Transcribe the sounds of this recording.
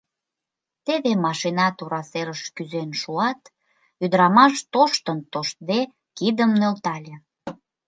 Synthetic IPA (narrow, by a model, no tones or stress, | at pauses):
t̪eβemɑʃinɑt̪uɾɑseɾəʃkyzenʃuɑt̪ | yd̪əɾɑmɑʃt̪oʃt̪ənt̪oʃt̪̚d̪e | kid̪əmnølt̪ɑlʲe